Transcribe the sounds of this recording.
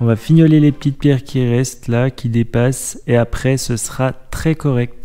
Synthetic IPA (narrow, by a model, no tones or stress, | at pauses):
ɔ̃vafiɲjɔlelepə̥t̪it̪̚pjɛʁkʲiʁɛst̪lakʲid̪epaseapχɛsəsʁat̪χɛkɔʁɛk̚t̪